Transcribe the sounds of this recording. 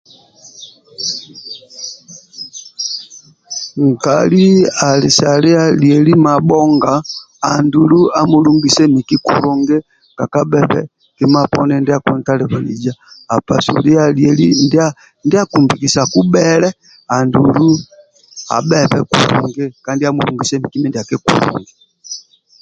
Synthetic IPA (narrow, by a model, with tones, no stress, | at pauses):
ŋ̩˨ka̰˨li˦a˨li˨sa˨li˦a˦ljɛ˨li˦ma˨bɔ˦ŋɡaː˨ | ndu˨lu˦a˦mu˦lu˦ŋɡi˨sɛ˦mi˨ki˦kṵlɔ˨ŋɡɛ˦ | ka˨ka˦bɛ˨pɛ̰˦ | kɛ˦ma˦pɔnɛndɛa˨kunta˦lɛ˨βa˨lḭ˨d͡ʒaː˨pa˨sṵli˦a˦liɛli˦nda | ndɛ˦a˦kumbiki˨sa˨ku˦bɛlɛ˦ | a˨ndu˨lu˦ | a̰˨bɛ˦pɛ˦kṵɾɔ̰ŋɡɛ˦kandi˦a˦muluŋɡisɛmi˨ki˦mɛndɛ˨akɛ˦kṵlɔ̰˨ŋɡɛ